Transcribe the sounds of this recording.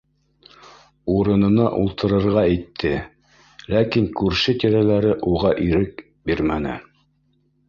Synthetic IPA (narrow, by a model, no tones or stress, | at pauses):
uɾɤ̆nɤ̆nɑʔulˠt̪ʰɤ̆ɾɤ̆ɾʁɑijt̪ʰːɘ | lækiŋkʉɾʃɘt̪iɾælæɾɘʔuʁɑʔiɾɘk̚ | biɾmænɘ̰